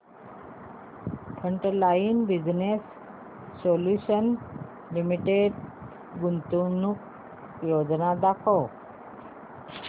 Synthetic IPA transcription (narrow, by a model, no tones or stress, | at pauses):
pʰəɳʈəlainbid͡ʑnesː | oljuɕən | limiʈeɖ | ɡunt̪unuk | jod͡znad̪akʰəw